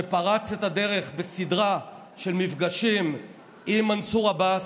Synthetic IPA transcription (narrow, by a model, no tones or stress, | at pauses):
epaʁat͡set̪ade̞ʁe̞χbesidʁa | ʃelmifɡaʃim | imansuʁaba